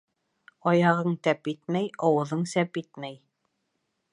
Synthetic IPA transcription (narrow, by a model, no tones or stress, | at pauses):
ɑjɑʁɤɴt̪æpit̪mæjɑwɤ̆ðɤɴsæpit̪̚mæj